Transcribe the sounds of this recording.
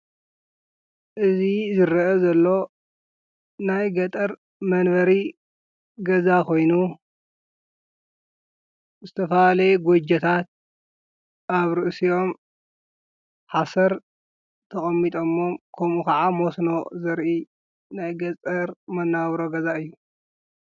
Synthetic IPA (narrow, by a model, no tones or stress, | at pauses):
ʔɨzizɨɾɐʔɐzɐlːo̞ | najɡɐt̪ʼɐɾ | mɐnβɐɾi | ɡɐzakʰo̞jnu | zɨt̪ʰɐfɐalɐɡod͡ʒɐt̪ʰat̪̚ | ʔaβɾɨʔsio̞m | ħasɐɾ | t̪ʰɐkʼɐmːit̪ʼomːomkʰɐmukʰɐʕamosno̞zɐɾʔi | najɡɐt͡sʼɐɾmɐnːaβɾoɡɐzaɨjːu